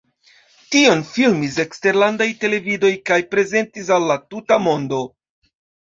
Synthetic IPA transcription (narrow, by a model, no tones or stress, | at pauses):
tio̞nfilmise̞kste̞ɾlandajte̞le̞vido̞jkajpɾe̞ze̞ntis̬alːatutamo̞ndo̞